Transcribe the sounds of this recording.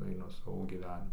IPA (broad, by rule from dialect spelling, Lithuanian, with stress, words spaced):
ɐɪˈnʊ ˈsɑːʋoː ɡʲiːˈʋʲæːnʲɪmʊ